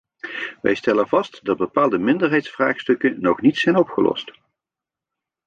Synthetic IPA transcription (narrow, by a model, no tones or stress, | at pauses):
ʋɛ̰jstɛlənvɑstdɑd̚bəpaːlˠdəmɪndəɹɦɛjtsfraːχstɵkənɔχnitsɛjnɔpχəlʔɔ̰st